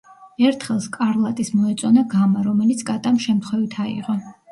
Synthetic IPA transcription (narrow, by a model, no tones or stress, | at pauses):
ɛɾt̪ʰχɛlˠskʼaɾlˠat̪ʼismɔɛt̪sʼɔnaɡamaɾɔmɛlit̪sʰkʼat̪ʼamʃɛmt̪ʰχwɛvit̪ʰaḭʁɔ